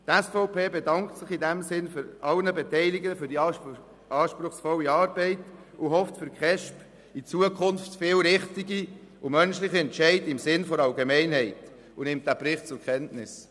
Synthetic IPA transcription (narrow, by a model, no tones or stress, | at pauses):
tæsfɔʊpʰeːbedɑŋktsɪχidæmsɪnføɾɑlnəbɛtɛɪliɡəfyɾdi | ɑːʃpɾʊχsfɔlːiɑːɾbɛɪt | ʊɦɔftfʏɾkχɛʃp | it͡suəkʰʊnftfɪːlɾɪχtiɡiʊmœnʃlɪχiɛntʃɛɪdɪmsɪnfɔɾɑlɡemɛɪnɦɛɪt | ʊnɪmt̚d̥æpɾɪχtt͡sʊɾkʰɛntnɪs